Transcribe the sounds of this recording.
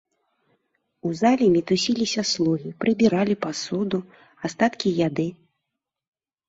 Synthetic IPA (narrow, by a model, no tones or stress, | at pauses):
uzalʲimʲit̪usʲilʲisʲɐslˠuɣʲipɾɨbʲiɾalʲipasud̪u | ast̪at̪kʲijad̪ɨ